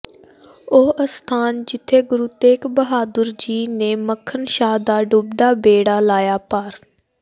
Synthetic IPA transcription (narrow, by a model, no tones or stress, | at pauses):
oːʔəst̪ʰaːnd͡ʒɪt̪ʰːeːɡʊɾuːt̪eːkbəɦaːd̪əɾd͡ʒiːneːməkʰənʃaːd̪aːɖʊb̚d̪aːbeːɽaːlaːjaːpaːɾ